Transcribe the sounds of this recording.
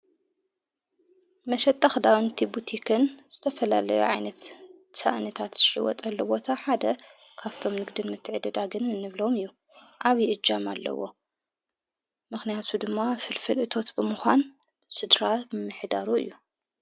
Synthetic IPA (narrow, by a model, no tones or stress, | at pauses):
mɐʃɐt̪ʼːɐxd̪awnt̪ʰibut̪ʰikʰɨnz̥ɨt̪ʰɐfɐla̰lɐjṵʕajnɐt̪ | sa̰ʔnɐt̪ʰat̪zɨʃɨ̰wɔ̰t̪ʼɐlːɐbo̞t̪ʰaħad̪ɐ | kʰaβt̪ʰo̞mnɨɡd̪ɨnmɨt̪ʰːɨʕd̪ɐd̪aɡɨnɨnɨβlo̞mɨjːu | ʕaβiʔɨd͡ʒːama̰lːɐ̰wo̞̰ | mɨxnijat̪ʰud̪ɨmːafɨlfɨlʔɨt̪ʰo̞t̪bɨmɨxʷan | sɨd̪ɾamɨħd̪aɾuɨ̰jːu